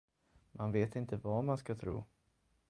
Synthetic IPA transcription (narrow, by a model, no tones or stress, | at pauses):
mʔanveːt̪ɪnt̪əvamanskat̪ʰɾṵː